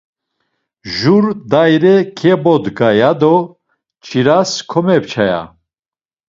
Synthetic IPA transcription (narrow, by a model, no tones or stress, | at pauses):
ʒuɾd̪ajɾɛkʰɛbɔd̪ɡajad̪ɔ | t͡ʃʰʼiɾaskʰɔmɛpt͡ʃʰaja̰